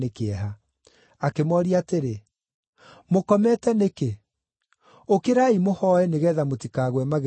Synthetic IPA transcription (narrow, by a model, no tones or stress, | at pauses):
ekeɛɦa | akemɔɾiateɾe | mokɔmɛtɛneke | okeɾaimohɔɛneɣɛðamotikaːɣwɛmaɣ